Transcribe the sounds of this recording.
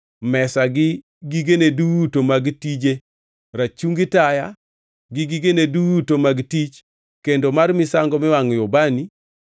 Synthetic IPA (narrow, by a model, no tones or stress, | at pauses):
mɛsaɡɪ | ɡiɡeneduwutomaɡtid͡ʒe | ɾat͡ʃuŋɡitaja | ɡɪɡiɡeneduwutomaɡtit͡ʃ | kendomarmɪsaŋɡɔmɪwaŋjɔbani